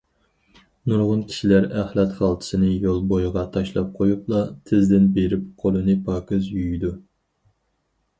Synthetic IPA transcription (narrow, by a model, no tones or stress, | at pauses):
nuɾʁʊnkʲʰi̥ʃilæɾæχlˠɛt̪χɑlˠt̪ʰɨ̥sɨnɪjolˠbojʁɑt̪ʰɑʃlˠɑp̚qʰojuplˠɑt̪ʰɪzd̪ɪnbeɾɪp̚qʰolˠɨnɨpʰɑːkɨzjyjid̪u